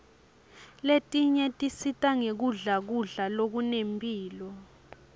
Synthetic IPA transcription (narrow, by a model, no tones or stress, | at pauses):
letʼiɲɛtʼisitʼaŋek̬uɮak̬uɮalok̬unempʼiːlɔ